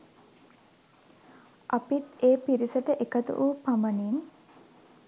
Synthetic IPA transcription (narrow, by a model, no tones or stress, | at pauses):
ʔapit̪eːpiɾisəʈəʔekət̪ṵʔuːpaməniːn